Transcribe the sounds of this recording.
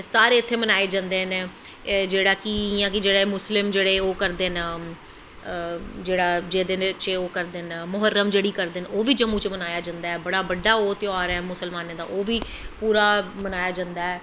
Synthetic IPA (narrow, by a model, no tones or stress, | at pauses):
saːɾeːɪt̪ʰːeːmənaːeːd͡ʒãːnd̪eːɦneː | d͡ʒeːɽaːkɪjãːkɪd͡ʒeːɽeːmʊslɪmd͡ʒeːɽeːoːkəɾd̪eːn | d͡ʒeːɽaːd͡ʒeːd̪ɪnt͡ʃeoːkəɾd̪eːnmʊɦəɾːəmd͡ʒeːɽiːkəɾd̪eːnoːʋiːd͡ʒəmːũːt͡ʃmənaːjaːd͡ʒãːnd̪aːɛːbəɽaːbəɖːaːoːt̪ɪoaːɾɛːmʊsəlmaːneːd̪a̰ːʔoːʋiː | puːɾaːmənaːjaːd͡ʒãːnd̪aːɛː